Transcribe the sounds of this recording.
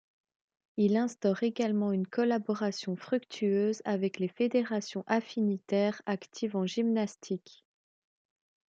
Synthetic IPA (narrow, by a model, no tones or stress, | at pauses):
ilɛ̃st̪ɔʁeɡalmɑ̃ynkʰɔlabɔʁasjɔ̃fχykt̪ʰyøːzavɛklefed̪eʁasjɔ̃ʔafinit̪ɛʁakt̪ʰivɑ̃ʒimnast̪ʰik